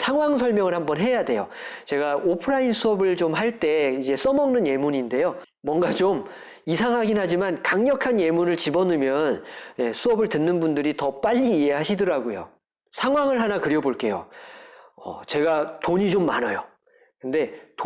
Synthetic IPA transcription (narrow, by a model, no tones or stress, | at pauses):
sʰaŋwaŋsʰʌɭmjʌŋɯɭhambʌnɦe̞jade̞jo̰t͡ɕe̞ɡaopʰɯɾainsʰuʌbɯɭt͡ɕomɦaɭt͈e̞id͡ʑe̞s͈ʌmʌŋnɯnje̞muɲinde̞jo | mwʌŋɡat͡ɕom | isʰaŋɦaɡinɦad͡ʑimankaŋɲʌkʰanje̞muɾɯɭt͡ɕibʌnɯmjʌnje̞sʰuʌbɯɭtɯnːɯnbundɯɾitʌp͈aʎːiːe̞ɦaɕʰidɯɾaɡojo̰ | sʰaŋwaŋɯɭɦanakɯɾjʌboɭk͈e̞jo̰ | ʌ̰t͡ɕe̞ɡatoɲid͡ʑomːanʌjo | kɯnde̞t